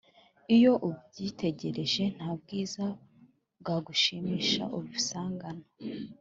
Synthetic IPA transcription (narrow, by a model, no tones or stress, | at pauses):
ijo̞ʔubɟiːte̞ɟe̞ɾe̞ʒe̞n̥haːb̚ɡiːza | bɡaɡuʃimiːʃa̰ʔuβusaːŋɡano